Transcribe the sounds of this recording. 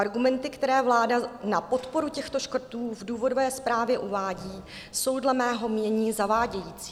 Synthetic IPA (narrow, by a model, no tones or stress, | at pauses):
ʔaɾɡumɛnt̪ɪkt̪ɛɾɛːvlaːdanapo̞t̪po̞ɾucɛxt̪o̞ʃkr̩t̪uːvduːvo̞dovɛːspɾaːvjɛʔuvaːɟiː | so̞wdlɛmɛːɦo̞mɲɛɲiːzavaːɟɛjiːt͡si̥ː